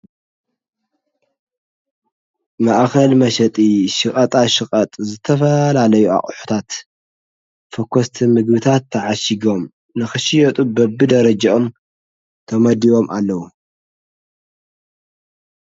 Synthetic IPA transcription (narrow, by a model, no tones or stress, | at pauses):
maʔkɐlmɐʃɐt̪ʼiʃɨkʼɐt̪ʼaʃɨkʼɐt̪ʼzɨt̪ʰɐfɐlalɐjua̰χʼħu̥t̪ʰat̪ | fɐkʰːost̪ʰimɨɡbɨt̪ʰat̪ʰːɐʕaʃiɡo̞m | nɨxɨʃɪjɐt̪ʼubɐbɨd̪ɐɾɐd͡ʒaom | t̪ʰɐmɐd̪iwo̞mʔa̰lːɐwu